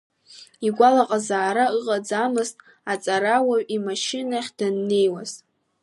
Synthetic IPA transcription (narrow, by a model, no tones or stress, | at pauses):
iɡʷalaqʼazaːɾaɨqʼad͡zamɨztʼ | at͡sʼaɾawaɥimaʃɪnaχʲd̥anːe̞jwaz̥